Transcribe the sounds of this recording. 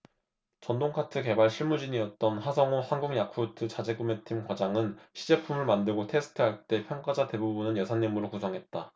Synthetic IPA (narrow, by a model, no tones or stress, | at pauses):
t͡ɕʌndoŋkʰatʰɯke̞baɭɕʰiɭmud͡ʑiɲiʌt̚t͈ʌnhasʰʌŋohanɡuŋjakʰutʰɯt͡ɕad͡ʑeɡume̞tʰimkwad͡ʑaŋɯnɕʰid͡ʑe̞pʰumɯɭmandɯɭɡotʰe̞sʰɯ̥tʰɯɦaɭt͈e̞pʰjʌŋk͈ad͡ʑate̞bubunɯnjʌsʰanːimuɾokusʰʌŋɦe̞t̚t͈a